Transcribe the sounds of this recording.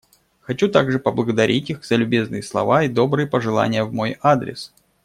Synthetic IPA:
xɐt͡ɕut̪aɡʐɨpəblˠəɡəd̪ɐɾʲʔitʲixzəlʲʊbʲe̞znɨjəslˠɐ̰vaid̪o̞bɾɨjəpəʐɨlˠa̰nʲɪjəvmo̞jad̪ɾʲɪ̰s

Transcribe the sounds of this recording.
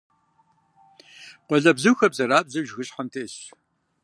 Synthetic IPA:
qʷɔɮɐbzɨwxɐbzɐɾaːp̚zɐʒɣɨɕħɐntʰeːɕ

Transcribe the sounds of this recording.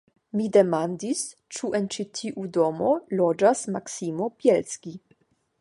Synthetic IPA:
midemandis | t͡ʃuʔɛnt͡ʃitʰiʔudomolod͡ʒasmaksimobjɛlskʲi

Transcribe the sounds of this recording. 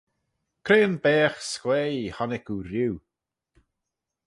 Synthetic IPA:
kʰɾeːnbɛːxskwejhɔnɪkuɾjuw

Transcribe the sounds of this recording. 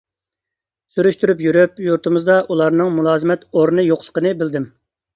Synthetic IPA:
syɾyʃt̪yɾypjyɾypjuɾt̪ʰɨmɨzd̪ɑʔulˠɑɾnɨŋmulˠɑːzmɛt̪oɾnɨjoqlˠə̥qʰənɨbɪld̪ɪm

